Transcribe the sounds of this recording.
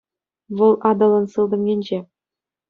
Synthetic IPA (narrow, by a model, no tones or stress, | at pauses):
vɤlˠʔɑd̪ɤ̆lˠɤ̆nsɯlˠd̪ɤ̆mɡʲenʲd͡ʑe